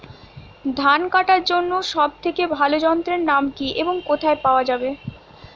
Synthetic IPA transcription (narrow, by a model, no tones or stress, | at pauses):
d̪ʱankaʈaɾd͡ʑonːoʃɔb̚t̪ʰekebʱalod͡ʑɔnt̪ɾeɾnamkiʔeboŋkot̪ʰaepaoad͡ʑabe